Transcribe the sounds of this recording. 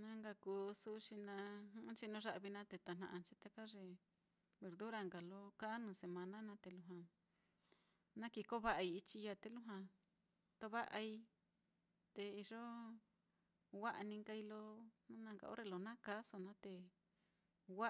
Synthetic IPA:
nã˦ŋɡa˧kuː˨˦su˦ʃi˧nã˧hũ˦t͡ʃi˧nũ˧ʐa˧ʔβi˧nã˦t̪e˧˨t̪a˨nã̰˧ʔã˧t͡ʃi˦t̪a˦˧ka˦ʐe˧˨ | βe˨ɾðu˦ɾa˧ŋɡa˨lo˦ka˦nũ˧se˨mã˧nã˦nã˧˦t̪e˧lu˧ɦã˧ | nã˦ki˧ko˦βa˦ʔa˧i˧i˧t͡ʃi˧ja˧t̪e˧lu˦ɦã˧ | t̪o˧βa˦ʔa˧i˧ | t̪e˧i˧ʐo˦ | wa˦ʔa˧nĩ˧ŋɡa˧i˧lo˧nũ˦nã˧ŋɡa̰˨ʔo̰˦ɾe˧lo˧nã˦ka˦so˧nã˦t̪e˧ | wa˦

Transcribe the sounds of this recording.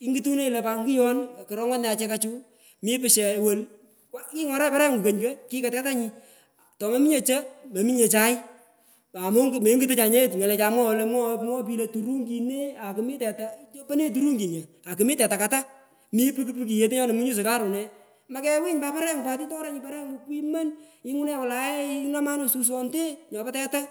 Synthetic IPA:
i˦ŋɡi˦tu˦ne˦i˨lɛ˨pa˨ŋɡu˦jɔ˦n˨kɪ˨ɾɔ˦ŋɔ˦n˨a˨˧t͡ʃɛ˦ka˦t͡ʃu˦ | mi˦pɪ˨ʃɛ˨wo˦l | kki˦ŋɔ˨ɾɛ˦paɾɛ˦ŋɡu˨kə˨ɲkɛ˦ki˦ka˨tɛ˦ta˦ɲi˧ | tɔ˨ma˦mi˦ɲe˨t͡ʃe˦me˨mi˦ɲe˨t͡ʃa˦ɪ˦ | a˨mo˦ŋɡme˨˦ŋɡi˦tɨ˦t͡ʃa˨ɲe˦tŋɛ˨lɛ˨t͡ʃa˨mwɔ˦˧le˧mɔ˦pŋɔ˦p̬i˧le˨tu˨ɾu˦ŋɡi˧ne˦a˨kɨ˨mi˦tɛ˨ta˨t͡ʃo˦pa˦ne˦t̬u˦ɾu˦ŋɡi˨ɲe˨ | a˨kɨ˨mi˦tɛ˨ta˨ka˨ta˦ | mi˦pɨ˦kpɨ˦ki˨je˨˧t̬e˦ɲɔ˦ne˨mu˦ɲu˦s̬ɨ˨ka˦ɾu˨nɛ˨˦ | ma˦kɛ˦wi˦ɲpa˦pa˦ɾɛ˦ŋ˨pa˨t̬i˦tɔ˦ɾa˦ɲi˧pa˦ɾɛ˦ŋu˨˧ki˦ma˦ni˦ŋu˦nɛ˦wa˨la˨˦e˦i˦na˦ma˦no˨su˧s̬ɔ˦nte˦ɲɔ˨pa˦tɛ˦ta˦

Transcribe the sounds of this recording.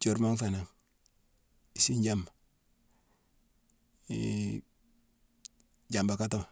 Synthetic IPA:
t͡ʃo˨ɾma˦ŋfa˨na˨ŋ | i˨si˦ɲɟa˦m | ɟa˨mba˨ka˦to˦ŋ

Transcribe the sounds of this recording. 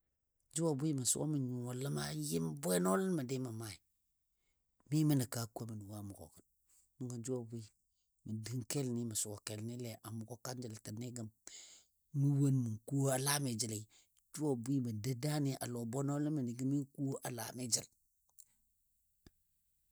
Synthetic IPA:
d͡ʒu˦wo˨bu˦i˦ma˨sṵ˦o̰˦mi˨ɲu˨o˨lə˦ma˦ji˦mbʷe˦no˦lə˦n˦ma˨de˦ma˨ma˦˨i˨ | mi˦mi˦ni˨ka˦ku˦o˦mi˨nu˨wa˦˨mu˨ko̰˨kə˨n | mu˦ŋɡa˨d͡ʒu˦wo˨bu˦i˦ | mə˨di˦ŋke˦lni˦ma˨su˨wo˨ke˨lni˦le˨ʔa˨mu˨ko˦ka˦nd͡ʒi˨ltə˨ni˦ɡə˨m | mi˦wo˦nmu˨ŋku˦o˦a˨la˦me˨d͡ʒi˨la˨i˦ | d͡ʒu˦o˨bu˦i˦mə˨də˦da˦ni˦ʔa̰˨lo˨bo˦no˦lə˦mə˨ni˨ɡi˦mi˦ku˦o˦ʔa˨la̰˨me˦d͡ʒi˦l

